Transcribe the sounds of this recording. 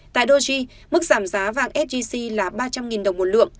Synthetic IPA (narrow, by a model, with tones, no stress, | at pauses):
t̪a̰ː˧˨jɗo˧zi˧ | mɨ˦˥k̚z̥aː˧˩mzaː˨˦va̰ː˧˨ŋʔɛ˦˥t̚zi˧si˧laː˨˩ɓaː˧t͡ɕa˧mŋi˨˩nɗə˨˩wŋ͡mmo˨˩lɨ̰˧˨əŋ